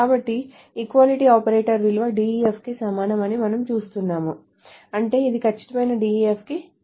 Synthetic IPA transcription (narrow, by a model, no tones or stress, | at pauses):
kaːbɐʈːiː | kʋaːliʈiːaːpɐɾeːʈɐɾʋilʋɐɖiːiepʰkisɐmaːnɐmɐnimɐnɐmt͡ʃuːst̪unːaːmu | ɐɳʈe̞ːid̪ikɐt͡ʃːi̥ʈɐmɐjnɐɖiːiepʰki